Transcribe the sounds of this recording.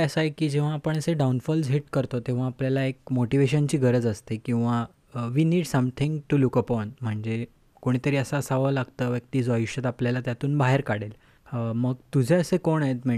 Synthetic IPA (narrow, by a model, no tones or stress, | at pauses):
əsajkiːd͡ʑeʋ̤aːpəɳəseɖaunfɔld͡zɦiʈkəɾt̪ot̪ẽʋ̤aːpljalaek̚moʈiʋeɕənt͡ɕiːɡʱəɾəd͡zəst̪ekĩw̃ʋa | ʋiːniːɖsəmt̪ʰĩŋɡʈulukəpɔnm̤əɳd͡ze | koɽ̃it̪əɾiːəsaːsaʋəlaɡt̪əːʋjək̚t̪iːd͡zoajiʂət̪apljalat̪jat̪uːnbaɦeɾkaɽ̤el | məɡt̪ud͡ʑʱeəsekoɳaet̪m̤e